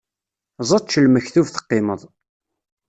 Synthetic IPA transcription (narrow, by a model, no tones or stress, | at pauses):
zˤɑtˤt͡ʃːəlməçθuvθə̥qːɪməðˤ